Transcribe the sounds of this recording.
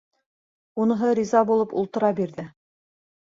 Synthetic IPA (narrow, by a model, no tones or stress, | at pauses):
unɤ̆ɦɤɾʲizɑbulˠɤpṵlˠt̪ɤ̆ɾɑbiɾðɘ